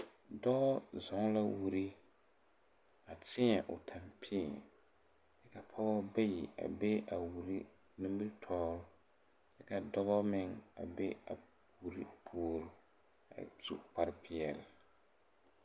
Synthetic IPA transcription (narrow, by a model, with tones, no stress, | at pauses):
dɔ˦zɔ˨˦ŋla˦wu˨ɾi˦ | a˨tɪ˦ɲɛ˨ʔʊ̰˨tʰa˨mpʰɪ˦˨ | dɛ˦ka˨pʰɔ˦bɔ˦bɛ˦jḭ˨a̰˨be˦a˨wu˨ɾi˦ | nĩ˦m˦bi˦ɾtʰɔː˦ɾʊ˦ | dɛ˦ka˨dɔ˦bɔ˦mɪ˦ŋa̰˨be˦a̰˨ | u˨ɾi˦pʰu˦˨ɾʊ˦ | a̰˨zu˨k͡pa˦ɾɪ˦pʰɪ˦ɛ˨l